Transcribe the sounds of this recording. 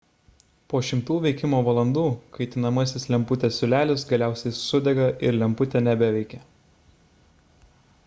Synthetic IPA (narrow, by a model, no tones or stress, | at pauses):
poːʃʲɪmt̪uːʋʲɛɪkʲɪmoːʋɐlˠɐnd̪uːkɐɪt̪ʲɪnɐmɐsʲɪslʲɛmpʊt̪ʲesʲʊlʲæːlʲɪsɡɐlʲæˑʊsʲɛɪsʊd̪ʲɛɡɐʔɪɾlʲɛmpʊt̪ʲɛnʲæbʲɛʋʲɛɪkʲɛ